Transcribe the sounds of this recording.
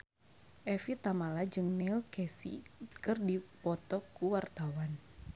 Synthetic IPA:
ʔɛfit̪amalad͡ʒɨŋnɛlkɛsḭkɨrdipɔt̪ɔkːuwart̪awan

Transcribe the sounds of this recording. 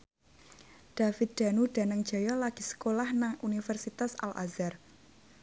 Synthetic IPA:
ɖ̥a̤fɪt̪̚d̪̥a̤nuɖ̥a̤nəŋ̥ʒ̥a̤jɔlaɡ̥i̤sə̥kolahnaŋʔunifɛrsit̪asa̰lʔa̰zar

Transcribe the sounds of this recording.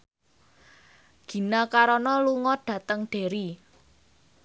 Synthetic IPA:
ɡ̥i̤nakaɾɔnɔluŋɔɖ̥ä̤t̪əŋɖ̥e̤ɾi

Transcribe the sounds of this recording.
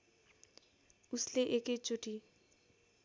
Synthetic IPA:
usleʔeket͡ʃoʈi

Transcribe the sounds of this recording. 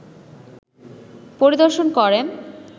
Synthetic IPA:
poɾid̪oɾʃonkɔɾe

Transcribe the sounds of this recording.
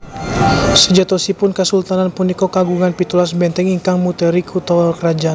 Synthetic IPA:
səd͡ʒat̪osipʊnkəsult̪ananpunikokaɡuŋanpit̪ulasbɛnt̪ɛŋiŋkaŋmut̪əɾikʰut̪ɔɛlkɾad͡ʒa

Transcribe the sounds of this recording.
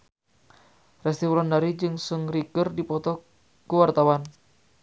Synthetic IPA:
rɛst̪ifɾɔndaɾid͡ʒɨŋsuŋɾikərdipɔt̪ɔ | kəwart̪awan

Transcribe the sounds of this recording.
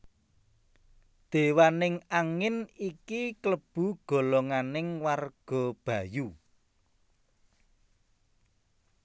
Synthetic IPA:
d̪̥e̤wanɪŋaŋɪnikikləb̥ṳɡ̥ɔ̤lɔŋanɪŋwarɡ̥ɔ̤b̥ä̤ju

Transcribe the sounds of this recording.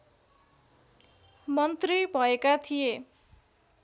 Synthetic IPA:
mʌnt̪ribʱʌekat̪ʰije

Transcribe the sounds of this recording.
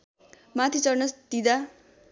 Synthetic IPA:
mat̪ʰit͡sʌrnʌsd̪id̪a

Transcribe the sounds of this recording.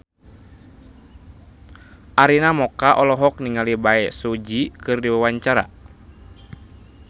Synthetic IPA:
ʔaɾinamɔkaʔɔlɔɦɔk̚niŋalibaɛsud͡ʒikɨrdiwawaɲt͡ʃaɾa̰

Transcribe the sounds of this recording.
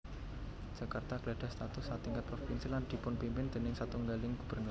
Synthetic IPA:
ʒ̥akart̪aklaɖ̥a̤st̪at̪ʊsːat̪iŋkat̪̚pɾofinsiland̪̥i̤pʊnpimpɪnd̪̥e̤nɪŋsat̪uŋɡalɪŋɡ̥ṳb̥əɾn

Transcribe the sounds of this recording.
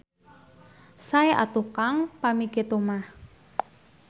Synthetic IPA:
saeʔa̰t̪ukaŋpamiket̪umah

